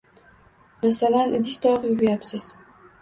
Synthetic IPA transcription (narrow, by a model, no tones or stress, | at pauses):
masalanʔɪd̪ɪʃʲt̪ʰɒʁjʊbjapsɪz̥